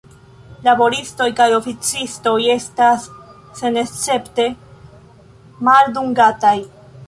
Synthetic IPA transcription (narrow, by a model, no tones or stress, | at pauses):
labo̞ɾisto̞jkajo̞fit͡sisto̞je̞stasː | e̞ne̞st͡se̞pte̞ | malduŋɡataj